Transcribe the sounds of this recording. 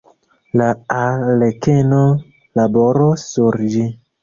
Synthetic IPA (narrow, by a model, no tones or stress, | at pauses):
laalekeno | laboɾosuɾd͡ʒi